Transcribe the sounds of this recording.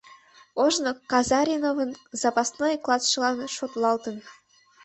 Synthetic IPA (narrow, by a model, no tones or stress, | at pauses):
oʒnokɑzɑɾʲinovɤ̆nzɑpɑsnojklˠɑsʃɤlˠɑnʃot̪lˠɑlt̪ɤ̆n